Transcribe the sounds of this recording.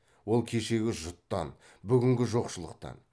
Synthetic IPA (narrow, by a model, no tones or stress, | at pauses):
wo̞lˠkʲʰe̞ʃe̞ɡʲɪʒʊt̪ːɑ̰n | bʏɡʲɪŋɡʲɪʒo̞qʃəlˠə̰q̚t̪ɑ̰n